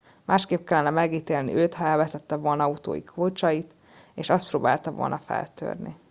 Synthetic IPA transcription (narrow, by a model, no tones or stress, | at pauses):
mʔaːʃkeːp̚kɛlːɛnɛmɛɡiːt̪eːlnḭøːt̪hɒɛlvɛsɛt̪ːɛvolnɒɒut̪o̰ːjḭkʰoːt͡ʃɒjit̪ | eːʃɒst̪proːbaːlt̪ɒvo̰lnɒfɛ̰lt̪ø̰ːrnḭ